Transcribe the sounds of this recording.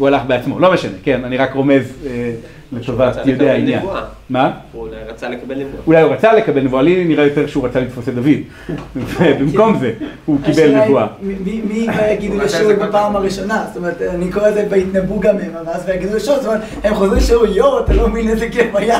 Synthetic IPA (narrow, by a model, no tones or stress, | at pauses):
ualaχbeat͡smo̞̰lo̞me̞ʃane̞ke̞naniʁakʁo̞me̞ze | let̪ovajod̪eainja̰n | maajt͡saekvuaulajuʁat͡sale̞kabelnevualiniʁajo̞t̪eʁʃeuʁat͡salit̪fosed̪avid̪ | vebimko̞mzehukibelnevuamimimivajaɡid̪uleʃotbepaːmaʁiʃo̞nast̪omeʁet̪anikoʁelzebeit̪nabuɡamemamazvejaɡid̪uleʃotstomeet̪ | emχoziʃeojoʁat̪alominetekemaja